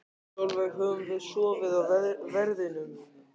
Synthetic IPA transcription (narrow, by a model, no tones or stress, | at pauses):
sowlvɛɣɦœːvʏmvɪðsɔːvɪðawvvɛɾðɪnʏm